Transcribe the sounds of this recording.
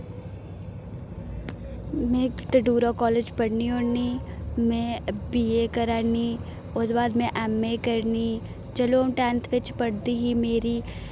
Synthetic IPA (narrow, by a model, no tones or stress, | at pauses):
mẽːʈəɖuːɾokɔːleːd͡ʒpɐɽnioːnimẽbiekɐɾaːni | oːd̪baːd̪mẽʔɛːmːẽkəɾni | t͡ʃɐloːmʈɛ̃ːnt̪ʰʋɪt͡ʃpɐɽd̪iɦimeːɾi